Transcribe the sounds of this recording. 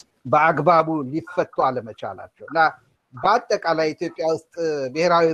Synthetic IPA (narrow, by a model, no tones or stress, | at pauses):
bəaɡbaβulifːət̪ʼːwaləmət͡ʃa̰la̰t͡ʃːɛwɨnːa | bəat̪ʼːəkʼalajit̪ʰjo̞pʼːjawʊst̪ʼbɪheɾawi